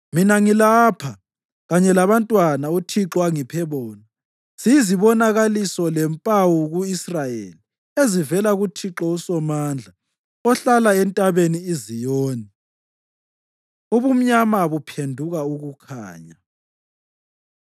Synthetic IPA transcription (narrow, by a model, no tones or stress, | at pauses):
minaŋilaːpʰa | ɣaɲɛlaβantʼwanautʰiǁɔaŋipʰɛβɔːna | sijiziβɔnaɣalisɔlɛmpʼawuɣuisrajḛli | ezivɛlaɣutʰiǁɔusɔmaːnd͡ɮʱa | ɔɬalaɛntʼaβeniːzijoːni | uβum̩ɲamaβupʰendʱuɣauɣukʰa̰ːɲa